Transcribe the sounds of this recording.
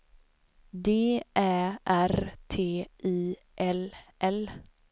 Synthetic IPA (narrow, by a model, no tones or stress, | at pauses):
d̪eːʔæʔæɾt̪ʰeːiː | ʔɛlʔɛl